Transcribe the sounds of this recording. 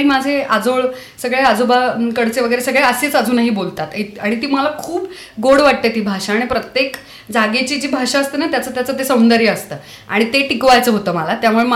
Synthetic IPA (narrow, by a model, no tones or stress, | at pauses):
imad͡zʱead͡zoɭ | səɡɭead͡zobakəɽt͡seʋəɡəjɾesəɡɭeəset͡sad͡zuːnaɦiːbolt̪at̪iaɽ̃it̪iːməlakʰuːb | ɡoɽʋaʈ̚t̪et̪iːbʱaʂaːɽ̃ipɾət̪jek | d͡zaɡet͡ɕiːd͡ʑiːbʱaʂaəst̪ənat̪jat͡sət̪jat͡sət̪esəwnd̪əɾjəəst̪əː | a̰ɽ̃it̪eʈikʋajt͡səːɦot̪əːməlat̪jamuɭem